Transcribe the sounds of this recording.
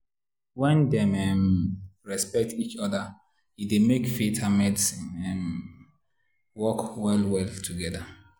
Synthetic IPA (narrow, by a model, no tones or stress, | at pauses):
wɛ̃ndɛ̃mɛmɹɛspɛk̚tit͡ʃɔda | idemekfetʰamɛtsɛ̃m | wɔkwɛlwɛltʰuɡɛda